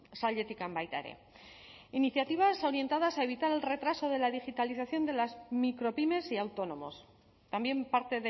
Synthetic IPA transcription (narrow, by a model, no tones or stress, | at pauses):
salʝe̞t̪ikambajt̪a̰ɾḛ | iniθjat̪iβ̞aso̞ɾje̞nt̪að̞asae̞βit̪aɾe̞lre̞t̪ɾaso̞ð̞e̞laðixit̪aliθaθjo̞nd̪e̞lazmikɾo̞pime̞siawt̪o̞no̞mo̞̰s | t̪ambje̞mpaɾt̪e̞ðe